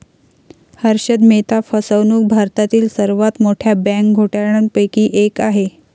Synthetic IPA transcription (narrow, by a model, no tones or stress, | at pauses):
həɾɕəd̪met̪afəsəʋnuːk̚bʱaɾt̪at̪iːlsəɾʋat̪moʈʰjabæ̃ŋk̚ɡʱoʈaɾɳ̃ənpəjkiːʔekaɦe